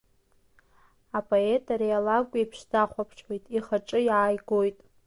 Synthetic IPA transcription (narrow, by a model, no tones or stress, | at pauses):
apʼoetʰʼaɾijalaɡʷʼipʰʂdaχʷapʰʈ͡ʂʰħejtʼiχaʈ͡ʂʼɨjʕajɡo̞jtʼ